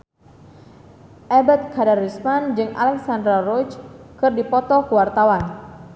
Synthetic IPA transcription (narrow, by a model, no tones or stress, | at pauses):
ʔɛbɛt̪̚kʰadarismand͡ʒɨŋʔa̰lɛksandɾarɔt͡ʃkɨrdipɔt̪ɔkəwart̪awan